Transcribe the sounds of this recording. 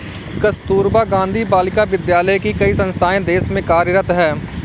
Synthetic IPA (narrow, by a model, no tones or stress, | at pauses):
kɐst̪uːɾbaɡãːnd̪ʱibaːlɪkaʋɪd̪jaːləjkikɐisɐ̃nst̪ʰaːẽd̪eːsmẽkaːɾɾət̪ɦɛː